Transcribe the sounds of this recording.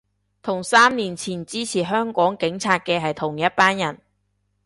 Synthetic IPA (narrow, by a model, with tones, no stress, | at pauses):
t̪ʰʊ˨˩ŋsaː˥mniː˨˩nt͡sʰiː˨˩nt͡siː˥t͡sʰiː˨˩ɦœː˥ŋkɔː˨˥ŋkɪ˨˥ŋt͡sʰaː˧t̚kɛː˧ɦɐ˨jt̪ʰʊ˨˩ŋjɐ˥t̚paː˥njɐ˨˩n